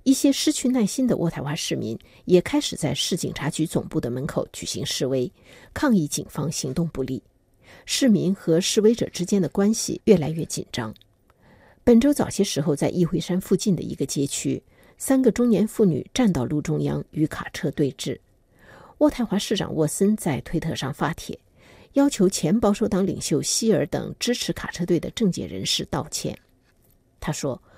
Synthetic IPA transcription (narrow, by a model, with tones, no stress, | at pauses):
i˥˩ɕjɛ˥ʂɻ̩˥t͡ɕʰy˥˧na˥˩ɪɕi˥nd̪ə̰˨˧wʔɔ˥˩t̪ʰa˧˥ɪxwa˧˥ʂɻ̩˥˩mḭ˧˥n | jɛ˨˩kʰa˥ɪʂɻ̩˨˩t͡sa˥˧ɪʂɻ̩˥˩t͡ɕḭ˨˩ŋʈ͡ʂʰa˧˥t͡ɕy˧˥t͡sʊ̰˨˩ŋpu˥˩d̪ə˩mə˧˥nkʰo˨˧˩ʊt͡ɕy˨˩ɕḭ˧˥ŋʂɻ̩˥˩we˥ɪ | kʰɑ˥˧ŋi˥˩t͡ɕḭ˨˩nfɑ˥ŋɕi˧˥ŋt̪ʊ˥˧ŋpu˥˧lḭ˥˩ | ʂɻ̩˥˩mi˧˥nxɤ˧˥ʂɻ̩˥˧we˥ɪʈ͡ʂɤ̰˨˩ʈ͡ʂɻ̩˥t͡ɕjɛ˥nd̪ə˨kwa˥nɕḭ˨ɥɛ˥˩la˧˥ɪɥɛ˥˩t͡ɕḭ˨˩nʈ͡ʂɑ˥ŋ | pə˨˩nʈ͡ʂo˥ʊt͡sɑ˨˩ʊɕjɛ˥ʂɻ̩˧˥xo˧ʊt͡sa˥˧ɪʔi˥˧xwe˥˧ɪʂa˥nfu˥˧t͡ɕi˥˩nd̪ə̰˩ḭ˧˥ɡə˧t͡ɕjɛ˥t͡ɕʰy̰˥ | sa˥nɡə˨ʈ͡ʂʊ˥ŋnjɛ˧˥nfu˥˩ny̰˨˩ʈ͡ʂa˥˧nt̪ɑ˥˧ʊlu˥˩ʈ͡ʂʊ˥ŋjɑ˥ŋy˧˥kʰa̰˨˩ʈ͡ʂʰɤ˥˧t̪we˥˧ɪʈ͡ʂɻ̩˥˩ | wɔ˥˧t̪ʰa˥˩ɪxwa˧˥ʂɻ̩˥˩ʈ͡ʂɑ̰˨˩ŋwɔ˥˩sə˥nt͡sa˥˧ɪt̪ʰwe˥ɪt̪ʰɤ˥˧ʂɑ˥˩ŋfa˥t̪ʰjɛ̰˨˩˦ | jɑ˥ʊt͡ɕʰjo˧˥ʊt͡ɕʰjɛ˧˥npɑ˥ʊʂo˥ʊt̪ɑ˧˥ŋlḭ˨˩ŋɕjo˥˧ʊɕi˥ə˞˧˥t̪ɤ̰˨˩ŋʈ͡ʂɻ̩˥ʈ͡ʂʰɻ̩˧˥kʰa̰˨˩ʈ͡ʂʰɤ˥t̪we˥˩ɪd̪ə̰˩ʈ͡ʂɤ˥˧ŋt͡ɕjɛ̰˥˩ɻə̰˧˥nʂɻ̩˥˧t̪ɑ˥˩ʊt͡ɕʰjɛ̰˥˩n | t̪ʰa˥ʂwɔ˥